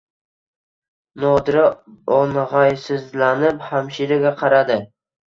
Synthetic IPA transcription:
nɒd̪ɪɾɪɒnʁɑjsɪzlanɪphamʃiɾɪɡʲaqʰɑɾad̪ɪ

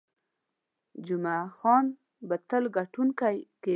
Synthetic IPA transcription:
d͡ʒumaxɔn | bət̪əlɡaʈunkajke

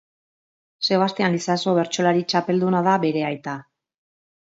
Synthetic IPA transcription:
se̞β̞ast̪eanlisaso̞βe̞ɾt͡ʃo̞laɾit͡ʃape̞ld̪unaðaβe̞ɾe̞ajt̪a

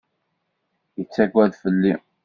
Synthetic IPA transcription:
jət͡sːækʷːæðfəlːi

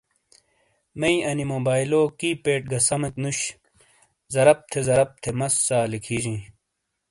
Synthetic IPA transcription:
mɐiɐnimoːbaːjloːkiːpeːʈ̚ɡɐsɐmɐt̪nuɕ | zɐɾɐp̚t̪ʰezɐɾɐp̚t̪ʰemɐsːaːlikʰiːd͡ʑĩː

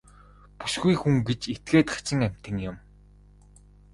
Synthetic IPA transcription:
pu̥sɡujxuŋɡet͡ɕet̪̚ɡeːt̪χḁt͡ɕɪ̆ŋæm̥ʲt̪ɘ̆ŋjʊm

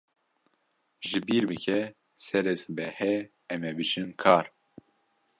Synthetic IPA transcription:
ʒɨbiːɾbɨkʰɛ | sɛɾɛsbɛhɛ | ɛmɛbɨt͡ʃɨnkʰaːɾ

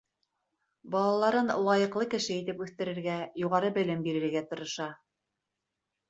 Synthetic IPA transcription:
bɑlˠɑlˠɑɾɤnlˠɑjɤ̆qlˠɤkɘ̆ʃɘit̪ɘpʉθt̪ɘ̆ɾɘ̆ɾɡæjuʁɑɾɤbɘ̆lɘmbiɾɘ̆ɾɡæt̪ŏɾŏʃɑ

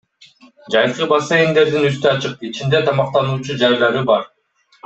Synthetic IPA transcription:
d͡ʒɑj̪qɯbɑsejind̪e̞ɾd̪inyst̪yɑt͡ʃɯqit͡ʃind̪e̞t̪ʰɑmɑqt̪ɑnuːt͡ʃud͡ʒɑjlˠɑɾɯbɑɾ

